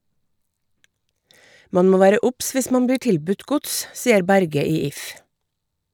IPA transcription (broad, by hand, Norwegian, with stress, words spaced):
ˈmɑn ˈmoː ˈʋæːɾə ˈʊps ˈʋɪs ˈmɑn ˈbiː ˈʈɪlˌbʉt ˈɡʊts ˈsiːəɾ ˈbæɾɡə ˈiː ˈɪf